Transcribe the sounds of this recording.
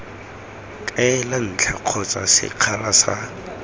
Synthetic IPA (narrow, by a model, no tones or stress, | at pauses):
kʼaɛlan̩t͡ɬʰaq͡χʰɔt͡sʼa̰sɪ̰q͡χʰalasa̰